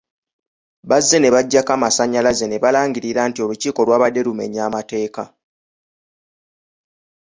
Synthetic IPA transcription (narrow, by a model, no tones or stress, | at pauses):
βazːe̞ne̞βaɟːakamasaɲːalaze̞ne̞βalaːɲɡiɾiɾaːntio̞luciːko̞lwaːβadːe̞ɾume̞̰ɲaːmate̞ːka